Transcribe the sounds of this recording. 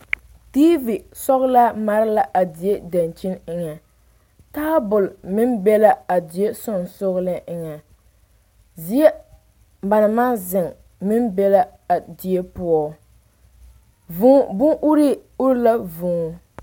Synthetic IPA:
tiː˦vi˨d | sɔ˦ɣʊ˦la˦ma˦ɾɪ˦la˦ʔa˨dɪ˨e˦da˨nt͡ʃi˦nɪ˦ŋa˨ | taː˦bʊ˨lmɪ˦mbɛ˦la˦a˨dɪ˨e˦sʊ˦n˨sʊ˦ɣlɨ˦ʔɪ˨ŋa˨ | zi˨˦e˦ | ba˨na˨ma˦zɪ˨ŋ | mɪ˦mbɛ˦la˦a˨dɪ˨e˦pʊ˦ɔ˦˨˦ | vʊ˦˨bʊ˦ŋʔʊ˦ɾi˦ʊ˦ɾla˦vʊ˨ŋ˨˦

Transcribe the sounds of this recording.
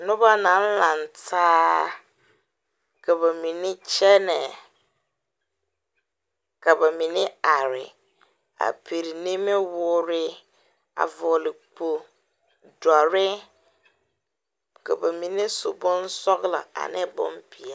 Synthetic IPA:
nʊ̃˦ba˦nã˨˦n̩˦lã˨n˨tʰaː˦ | kʰa˨ba˨mĩ˨nɪ̃˦t͡ɕʰɛ˦nɪ̃˨ | kʰa˨ba˨mĩ˨nɪ̃˦a˨ɾɪ̰˨ | a̰˨pʰe˨ɾi˨nĩ˦mɪ̃˦wʊ˦ɾɪ˦ | a̰˨vɔ˨lɪ˨k͡pʰo˨ | da˨ɾɪ˦ | kʰa̰˨ba˨mĩ˨nɪ̃˦sʊ˨bɔ̃˦n˦sɔ˦ɡla̰˨a̰˨nɪ̰̃˦bɔ̰̃˦mbʰi˨a˦˨

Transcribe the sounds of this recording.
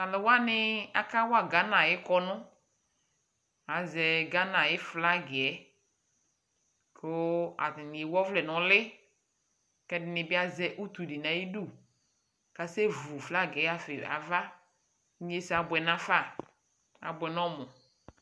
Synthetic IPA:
a˨lɪ˨wa˦nɪ˦a˨ka˦wa˨ɡa˦nã˨jɪ˦kɔ˦nʊ˦ | a˨zɛ˨ɡa˦nã˨jɪ˦fla˦ɡɪ˨ɛ˨˦ | ko˦a̰˨tɪ˨nɪ˨e˨wɔ˦vlɛ˨nɔ˨lɪ˦ | kɛ˦dɪ˦nɪ̃˨bɪ˦a˦zɛ˦ʔu˦t̪u˨di˨na˨ji˦du˦˨ | ka˨sɛ˦vu˨fla˦ɡɛ˨˦a˦fɪ˨a̰˨va˦ | ɲ˦e˦sa˨bwɛ˨nã˦fa˦˨ | a̰˨bwɛ˨nɔ˦mʊ˨

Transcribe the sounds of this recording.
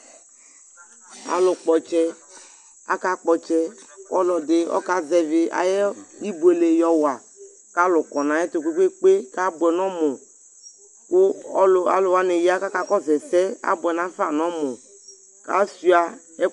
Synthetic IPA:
a̰˨lʊ˨k͡pɔ˨t͡ʃɛ˦ | a̰˦ka˦k͡pɔ˨t͡ʃɛ˦kɔ˦lɔ˨d̪e˦ɔ̰˦ka˦zɛ˨vɪ˨ʔa̰˨jɛ˦i˦bu˨e˨le˨jɔ˦wa˨ | ka˦lʊ˨kɔ˨nã˨˦ɛ˦t̪o˨kʷe˦kʷe˦k͡pe˦ka˦bʊ˨ɛ˨nɔ̃˦mo˨ | ko˦la̰˨lwa˨ne˨ji˦a˦ka˦ka˦kɔ˦zɛ˨sɛ˦a̰˦bʊ˨ɛ˨nã˨˦fa˨nɔ̃˦mo˨ | ka̰˦si˦a˨ | ɛ˦

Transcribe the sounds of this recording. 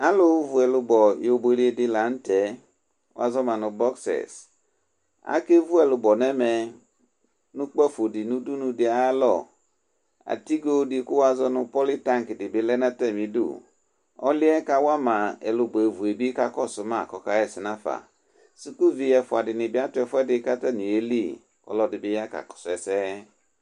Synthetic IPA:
a˦lo˦vu˨ɛ˨lu˧bɔ˨jo˨be˨ɾi˦e˦di˦la˨˦n̩˦tɛ˨˦ | wa̰˦zɔ˦ma˨nu˨bɔ˦ksɛ̰˨s | a̰˦ke˦vu˦ɛ˨lu˨bɔ˨nɛ˦mɛ˧ | nu˦k͡pɔ˦˨fo˨di˨nu˦du˦nu˧di˨a˨˦a˦lɔ̰˨ | a̰˨ti˦ɡo˦dɪ˧˦ku˦wa˦zɔ˦nʊ˧pɔ˦li˦ta˦ŋ˨ki˨dɪ˨bɪ˨˦lɛ˦na˦tɛ˦˨mĩ˨dṵ˦˨ | ɔ̰˦lɪ˦ɛ˦ka˦wa˦mã˨ɛ̰˨lʊ˨bɔ˨e˨vu˨e˨bi˦ka˦kɔ˦˨sʊ˨ma˦˨kɔ˨ka˦ɛ˦˨sɪ˨na˦fa̰˨ | si˦ku˦vi˧jɛ˨fʊ˨a˨dɪ˨nɪ˨bɪ˦a˦tʊ˦ɛ˨fʊ˦ɛ˦dɪ˨˦ka˦ta˦ni˨e˦li˦˨ | kɔ̰˨lɔ˦dɪ˨bɪ˦ja˦ka̰˨kɔ̥˨sɛ˨sɛ˦

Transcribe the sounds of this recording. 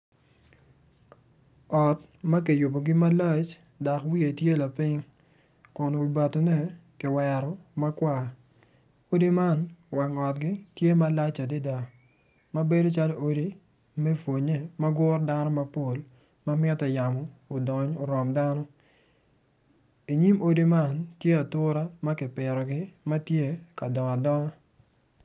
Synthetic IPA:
ɔ˨t | mɐ˦k̬i˨jʊ˨bo˨ɡɪ˦ma˦lɛ˦t͡ʃ | da˨kwi˦e˨tje˦la˨pɪ˦ŋ | kʊ˨nwi˨ba˨tnɛ˦kɪ˨wɛ˨ɾɔ˨mɐ˦kwa˨ | o˦di˦ma˦nwɛ˨ŋɔ˨t̚ɡɪ˦tje˦ma˦la˦t͡ʃa˨di˦da˨ | ma˦be˦do˦t͡ʃa˦lo˦o˦di˦ | mɛ˦fwo˨ɲe˦ma˦ɡʊ˦rda˦nɔ˦ma˦po˨l | ma˦mɛ˦tɛ˨ja˨mɔː˨dɔ˨ɲo˨ɾɔ˨mda˦nɔ˦ | i˨ɲi˦mo˦di˦ma˦˨ntje˦a˨tʊ˦ɾa˦ma˦kɪ˨pɪ˨ɾɔ˨ɡɪ˦ma˦tje˦ka˨dɔ˨ŋa˨dɔ˦ŋa˦

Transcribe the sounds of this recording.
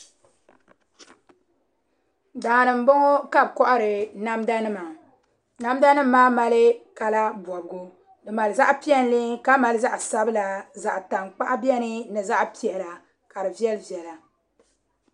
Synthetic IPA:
daː˨nɨ˨m̩˦bo˦ŋo˦ka˦bkɔ˦ʔa˦ɾɨ˨na˦mda˦nɨ˦ma˨ | na˦m˦da˦nɨ˦mː˦aː˦ma˨lɨ˦ka˨la˦bɔ˨bɨ˨ɡo˦ | dɨ˨ma˨lɨ˨za˦ʔpi˦ɛ˦n˦li˦ka˦ma˨lɨ˦za˦ʔsa˦bɨ˦la˨za˨ʔta˨ŋk͡pa̰˦ʔa˦bi˦ɛ˦nɨ˦nɨ˨za˦ʔpi˦ɛ˨la˨ | ka˨ɾɨ˨vi˦ɛ˦lɨ˦vi˨ɛ˨la˨

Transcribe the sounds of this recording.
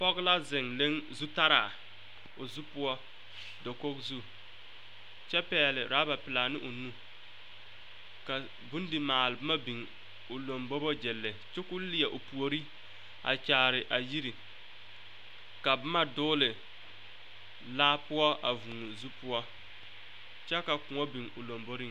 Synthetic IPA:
pɔ˦ɡla˦zɪ˨ŋle˦ŋzu˦ta˦ɾa̰˨ | ʊ˨zu˦pʊ˦ɔ˦ | do˨ko˦kzu˦ | t͡ʃɛ˦pɛː˦lɪ˨ɾaː˨˦ba˨pɪ˨la˨nɪ˦ʔʊ˨nũ˦ | ka˨ | bu˦ndi˨maː˨lɪ˨bʊ˦ma˦bi˨ŋ | ʊ˨lo˨mbo˦bo˦d͡ʒɛ˨lːɛ˨t͡ʃɛ˦kʊ˦lɪ˦jɛ˨ʔʊ˨pu˨o˨ɾi˦ | a̰˨t͡ʃaː˨ɾɪ˨ʔa˨ji˦ɾi˨ | ka˨bʊ˦ma˦dʊː˦lɪ˨ | laː˦pʊ˦ɔ˦ʔa˨vu˨n˨zu˦pʊ˦ɔ˦ | t͡ʃɛ˦ka˨kʊ˨ŋɔ˦bi˨ŋʊ˨lo˨mbo˦ɾi˦ŋ

